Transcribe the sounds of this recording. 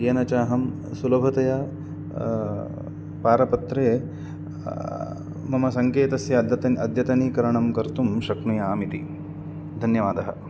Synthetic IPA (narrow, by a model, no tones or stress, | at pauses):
eːnɐt͡ʃaːɦɐm | sulɐbʱɐt̪ɐjɐ | paːɾɐpɐt̪ɾeː | mɐmɐsɐŋkeːt̪ɐsjɐɐt̪ɐɐd̪ʱjɐt̪ɐnikɐɾɐɳɐmkɐɾt̪umʃɐknujɐaːmit̪i | d̪ʱɐnjɐʋaːd̪ɐɦɐ̰